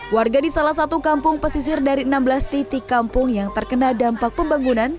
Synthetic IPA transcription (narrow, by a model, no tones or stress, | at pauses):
warɡadisalahs̬at̪ukampʊŋpəsis̬ɪrdaɾiənambəlast̪it̪ikampʊŋjaŋt̪ərkənadampak̚pəmbaŋunan